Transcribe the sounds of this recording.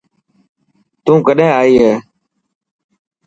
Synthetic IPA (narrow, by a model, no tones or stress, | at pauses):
t̪ũːkəɗɦẽːaːiːɦeː